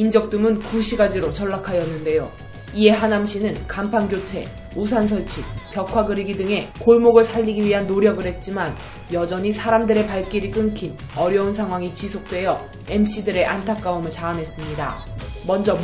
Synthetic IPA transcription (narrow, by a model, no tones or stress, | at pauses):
ind͡ʑʌk̚t͈umɯnkuɕʰiɡad͡ʑiɾot͡ɕʌɭːakʰajʌnːɯnde̞jo | ie̞ɦanamɕʰinɯnkampʰanɡjot͡ɕʰe̞ | us̬ʰans̬ʰʌɭt͡ɕʰik̚p͈jʌkʰwaɡɯɾiɡidɯŋe̞koɭmoɡɯɭsʰaʎːiɡiɥiɦanːoɾjʌɡɯɭhe̞t̚t͡ɕ͈iman | jʌd͡ʑʌɲisʰaɾamdɯɾe̞paɭk͈iɾik͈ɯŋkʰin | ʌɾjʌuns̬ʰaŋwaŋit͡ɕisʰok̚t͈we̞jʌ | emɕ͈ʰidɯɾe̞ʔantʰak͈̚aumɯɭt͡ɕaːnɦe̞s͈ɯmɲida̰ | mʌnd͡ʑʌ